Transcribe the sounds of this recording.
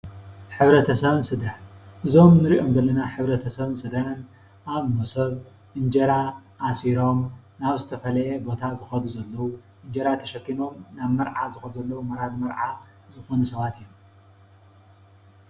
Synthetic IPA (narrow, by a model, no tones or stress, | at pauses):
ħɨβɾɐt̪ʰɐsɐβɨnsɨd̪ɾanʔɨzo̞mnɨɾiʔo̞mzɐlːɐnaħɨβɾɐt̪ʰɐsɐβɨnsɨd̪ɾan | ʔaβnosɐβ | ʔɨnd͡ʒɐɾaʔːsiɾo̞m | naβzɨt̪ʰɐfɐlɐjebo̞t̪ʰazɨxɐd̪uzɐlːɐwuʔɨnd͡ʒɐɾat̪ʰɐʃɐkːino̞mnaβmɐɾʕazɨxɐd̪uzɐlːɐwumɐɾad̪mɐɾʕa | zɨxo̞nusɐβat̪ijom